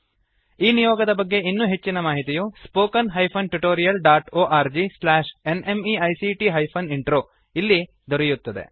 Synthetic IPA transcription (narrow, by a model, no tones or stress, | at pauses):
iːnijoːɡɐd̪ɐbɐɡːe̞inːuːɦe̞t͡ʃːinɐmaːɦit̪ijuspoːkɐnɦɐjpʰɐnʈuʈoːɾijɐlɖaːʈoːʔaːɾd͡ʒislaːʃene̞miɐjsiʈiɦɐjpʰɐniɳʈɾoː | ilːi | d̪ɔɾɛjut̪ːɐd̪e̞̰